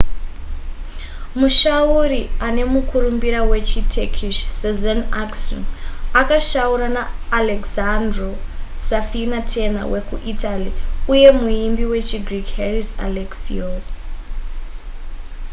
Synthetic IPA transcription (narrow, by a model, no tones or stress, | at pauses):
muʃauɾiane̞mukʰuɾumbiɾawe̞t͡ʃitʰekʰiʃsezanakso̰nakaʃauɾanaːlekzandro | safinatʰe̞na̰we̞kuʔitaliuje̞muimbiwe̞t͡ʃiɡrikherisa̰leksḭo